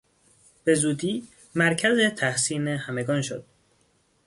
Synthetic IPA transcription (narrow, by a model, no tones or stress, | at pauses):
b̥e̞zuːd̪iː | mæɾcʰæze̞t̪ʰæhsiːnehæme̞ɡɒːnʃo̰d̪̥̚